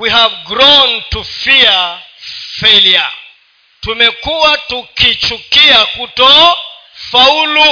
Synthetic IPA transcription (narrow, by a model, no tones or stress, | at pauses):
wiɦavɡɾɔntufia | felia̰ | tumɛkuwatukit͡ʃukiakutɔ | faulu